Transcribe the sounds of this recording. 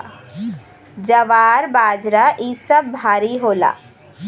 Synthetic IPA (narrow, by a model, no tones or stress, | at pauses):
d͡ʒɐʋaːɾbaːd͡ʒɾaʔiːsəbbʱaːɾiɦoːla̰ː